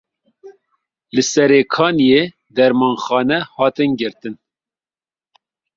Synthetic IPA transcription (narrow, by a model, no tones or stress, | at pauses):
lɨsɛɾeːkʰɑːnijeː | d̪ɛɾmɑːnxɑːnɛhɑːt̪ɨnɡɨɾt̪ɨn